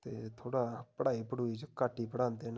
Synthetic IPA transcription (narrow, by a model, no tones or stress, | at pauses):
t̪ḛːt̪ʰoːɽaːpəɽaːiːpəɽuːit͡ʃkaːʈːiːpəɽãːnd̪en